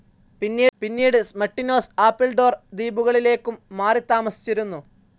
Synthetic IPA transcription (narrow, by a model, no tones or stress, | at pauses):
pinːiːpinːiːɽɨmɐʈːino̞ːsaːpːilɖo̞ːrd̪iːbuɣɐɭile̞ːkːumːaːrit̪ːaːmɐsi̥t͡ɕːiɾunːu